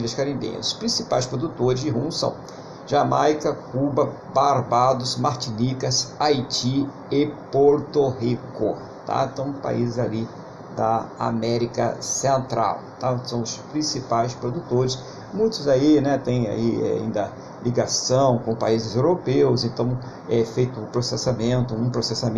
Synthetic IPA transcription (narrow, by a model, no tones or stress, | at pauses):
ilɐskaɾĩbḭ̃jɐ̰ʊspɾĩsipajspɾod̪ut̪oɾɪzd͡ʒɪɦũsɐ̰̃w̃ | ʒamajkɐkubɐ | baɾbad̪ʊzmaɾt͡ʃinikɐsajt͡ʃi | ɪpoɾt̪oɦikʊ | t̪a̰t̪ɐ̃w̃pa̰izɪzali | d̪ɐa̰mɛɾikɐ̰sẽnt̪ɾa̰wt̪asɐ̃w̃ʊspɾĩsipajspɾod̪ut̪oɾɪs | mũj̃t̪ʊzainɛt̪ẽj̃a̰iɛ̰ḭ̃nd̪ɐ | liɡasɐ̃w̃kõpaizɪzewɾopewzẽnt̪ɐ̃w̃ | ɛfejt̪ʊũpɾosesamẽnt̪ʊũpɾosesamẽ